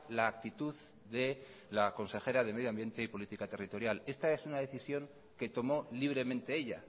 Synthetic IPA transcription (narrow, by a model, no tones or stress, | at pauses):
laːk̚t̪it̪uð | ðe̞ | lako̞nse̞xe̞ɾaðe̞me̞ðjoambje̞nt̪e̞ipo̞lit̪ikat̪erit̪o̞ɾjale̞st̪ae̞sunaðe̞θisjo̞ŋ | ke̞t̪o̞mo̞liβ̞ɾe̞mẽnt̪e̞eʎa̰